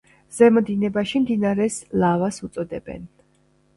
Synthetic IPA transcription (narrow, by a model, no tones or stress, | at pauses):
z̥ɛmɔd̪inɛbaʃimd̪inaɾɛslˠavasut̪sʼɔd̪ɛbɛ̰n